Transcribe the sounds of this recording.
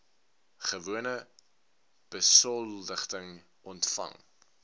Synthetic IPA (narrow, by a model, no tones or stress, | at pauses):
χəvuənə | b̥əsɔldəχtəŋ | ʔɔntfɐ̰ŋ